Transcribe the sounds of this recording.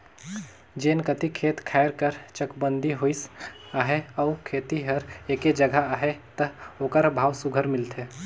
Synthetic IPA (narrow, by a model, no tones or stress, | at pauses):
d͡ʒeːnkət̪ikʰeːt̪kʰaːɾkəɾt͡ʃəkbə̃nd̪ʱiɦoisaɦeɔʊkʰeːt̪iɦəɾeːked͡ʒəɡʱaaːɦet̪əokəɾbʱaːwsʊɡʱəɾmɪlt̪ʰɦɛː